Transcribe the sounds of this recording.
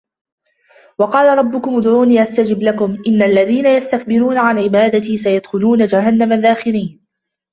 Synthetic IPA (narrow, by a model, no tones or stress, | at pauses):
wɑqɑːlaɾˤɑbːʊkʊmʊd̪ʕuːniːʔast̪ad͡ʒɪblakʊmʔɪnːaʔlːaðiːnajast̪ak̚bɪɾuːnaʕanʕɪbaːd̪at̪isajad̪xʊluːnad͡ʒaɦanːamaðːaːxɪɾiːn